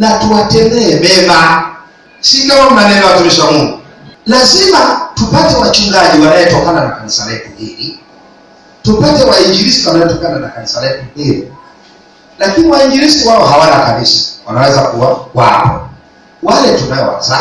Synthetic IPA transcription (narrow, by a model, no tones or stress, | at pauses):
natuwatɛmɛːmɛma | sinɔm̩nanɛɾawatuɾiʃamuŋɡu | lazimatupatɛwat͡ʃuŋɡaʄiwanajɛtɔkananakanisalɛpumbiɾi | tupatɛwaiɲd͡ʒiɾistiwanaɛtɔkananakanisalɛpuhiɾi | lakiniwaiɲd͡ʒiɾisiwaɔɦawanakabisḁwanawɛzakuwakwa̰pɔ̰ | walɛtunaɔwa̰za